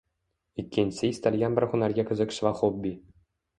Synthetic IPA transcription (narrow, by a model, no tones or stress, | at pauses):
ikʲːenʲsʲejsʲt̪alʲjɑnbʲɘ̆rʲχunɑrɡʲɑkʲɘ̆zʲɘ̆kʲʃʋɑχobʲi